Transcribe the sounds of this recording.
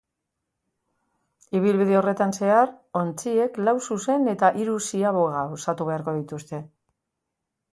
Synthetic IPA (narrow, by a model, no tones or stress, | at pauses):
iβ̞ilβiðe̞o̞re̞t̪anse̞aɾo̞nt͡sie̞klawsuse̞ne̞t̪aʔiɾusiaβoɣawsat̪uβe̞aɾko̞ðit̪ust̪e̞